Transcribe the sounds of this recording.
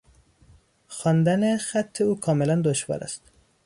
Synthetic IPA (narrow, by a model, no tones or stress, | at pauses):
xɒːnd̪ænexæt̪ʰːeuːkʰɒːmelænd̪oʃvɒ̰ːɾæ̰st̪